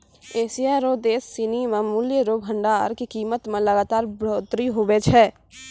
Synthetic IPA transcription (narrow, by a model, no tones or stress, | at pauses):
eːsiaːɾoːd̪eːsːinimə̃muljəɾoːbʱə̃ɳɖaɾkikiːmət̪mẽlɐɡaːt̪aːɾbɾoːt̪ɾiɦobet͡ʃʰɛː